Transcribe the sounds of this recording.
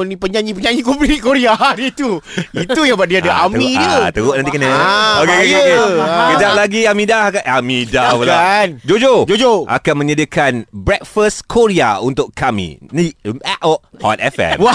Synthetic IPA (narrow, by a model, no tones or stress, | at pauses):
nĩpəɲãɲip̬əɲãɲikobiikoɾiadit̪uit̪ujaŋbadiadəʔamĩdət̪əɣoʔnãnt̪ikənaokekakakekəd͡ʒaʔ̚laɡiamĩdahkaamidabəlaand͡ʒod͡ʒod͡ʒod͡ʒoʔa̰kanmə̃ɲadiakanbɾɛk̚fəskʰoɾia̰unt̪ʊkkamḭ̃niɛʔɔʔhɔ̰t̪ɛ̰fɛ̰mwa